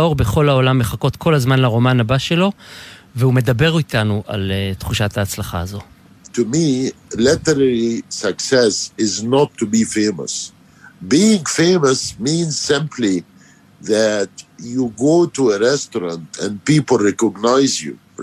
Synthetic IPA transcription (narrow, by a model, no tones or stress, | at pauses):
o̞ʁbe̞χo̞laolamːeχako̞t̪kʰo̞lazmanlaʁo̞manabaʃe̞lo̞veume̞dabe̞ʁit̪anuʔa̰let̪χuʃataːt͡slaχa̰ːzo̞ | tʰumilɪtəɾɛɹisəksɛsɪznɔtʰːubifẽɪmə̰s | biɪ̃ŋfẽɪməsmĩnz̥sɪ̃mpʰli | ðætjuɡoːtuəɹɛstɔɾɑ̃ntɛ̃npipl̩ˠɹɛkɔɡnaɪzjṵ